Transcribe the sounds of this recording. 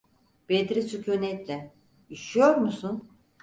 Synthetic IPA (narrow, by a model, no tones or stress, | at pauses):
b̥ed̪ɾisycʰønɛt̪lʲɛ | iʃijo̞ɾmusun